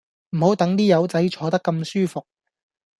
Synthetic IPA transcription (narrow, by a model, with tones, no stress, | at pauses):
m̩˨˩ho˨˥wt̪ɐ˨˥ŋt̪iː˥jɐ˨˧wt͡sɐ˨˥jt͡ʃʰɔː˨˧t̪ɐ˥kːɐ˧msyː˥fʊ˨k̚